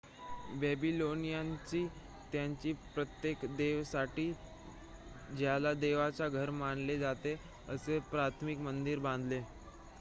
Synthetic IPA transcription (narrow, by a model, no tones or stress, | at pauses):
bɛbilonijaɲt͡ɕiː | t̪jaɲt͡ɕiːpɾət̪jekd̪eʋsaʈiː | d͡ʑjalad̪eʋat͡saɡʱəɾmaɳled͡zat̪e | əsepɾat̪ʰmikmənd̪iɾbãnd̪ʱle